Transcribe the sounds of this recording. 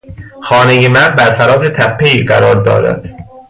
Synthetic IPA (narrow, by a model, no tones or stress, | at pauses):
xɒːnejemæbæɾfæɾɒːt̪et̪ʰæpʰːeiːɢæɾɒːɾd̪ɒ̰ːɾæ̰d̪̥